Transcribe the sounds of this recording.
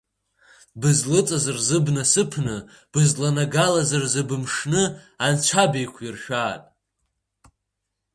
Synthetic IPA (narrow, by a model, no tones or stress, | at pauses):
bɨzlɨt͡sʼazarzɨbnɨsɨpʰnɨ | b̥ɨzlanaɡalazarzɨbɨmʂnɨ | ant͡ʃʷʰabejkʷʰirʃᶣaːtʼ